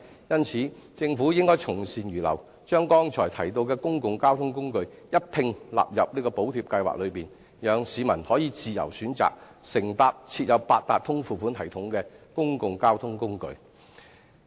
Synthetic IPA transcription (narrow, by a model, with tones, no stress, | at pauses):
jɐ˥nt͡sʰiː˨˥t͡sɪ˧ŋfuː˨˥jɪ˥ŋkɔː˥jt͡sʰʊ˨˩ŋsiː˨njyː˨˩lɐ̰˨˩w | t͡ʃœː˥ŋkɔː˥ŋt͡ʃʰɔː˨˩jt̪ʰɐ˨˩jt̪o˧wkɛː˧kʊ˥ŋkʊ˨ŋkaː˥wt̪ʰʊ˥ŋkʊ˥ŋkɵ˧ɥjɐ˥t̚pʰɪ˧ŋla̰ː˨˩p̚jɐ˨p̚niː˥kɔː˧po˨˥wt̪ʰiː˨p̚kɐ˧jwa̰ː˨k̚lɵ˨˧ɥpiː˨˩n | jœː˨˧ŋsiː˨˧mɐ˨˩nhɔː˨˥jiː˨˧t͡siː˨jɐ̰˨˩wsyː˨˥nt͡sa̰ː˨k̚ | sɪ˨˩ŋt̪aː˨p̚t͡sʰiː˧t̚jɐ˨˧wpaː˧t̚t̪aː˨t̚t̪ʰʊ˥ŋfuː˨˩fuː˨˥nt̪ʰɐ˨˩jt̪ʰʊ˨˥ŋkɛː˧kʊ˥ŋkʊ˨ŋkaː˥wt̪ʰʊ˥ŋkʊ˥ŋkɵ̰˧ɥ